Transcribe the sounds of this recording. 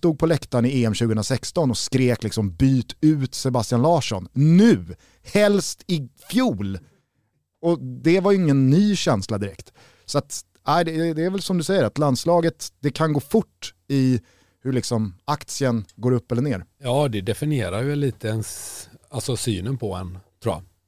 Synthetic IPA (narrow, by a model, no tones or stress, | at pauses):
st̪uːɡ̚pʰɔlɛkt̪anɪeːɛmɕʉ̟ɡəənɾasɛkst̪ɔnɔskɾeːklɪksɔmbyːt̪ʉ̟ːt̪sɛbast̪ɪjanlɑːʂɔnnʉ̟ː | hɛlst̪ɪfjuːl | ɔd̪ɛvajɵɪŋːənːyːɕɛnslad̪ɪɾɛkt̪ | sɔat̪ | æɪd̪ɛɛd̪ɛːɾvɛlsɔmd̪ɵsɛjːəɾat̪land̪slɑːɡət̪d̪̥ɛkʰanɡoːfʊʈː | ɪ | hɵɭɪksɔmakt̪sɪənɡoːɾɵpːɛlːəɳeːɾjɑːd̪ɛd̪ɛfɪnɪeːɾaɾjɛlːiːt̪əɛnsalsɔsyːnənpʰɔɛ̰nt̪ʰɾṵːa̰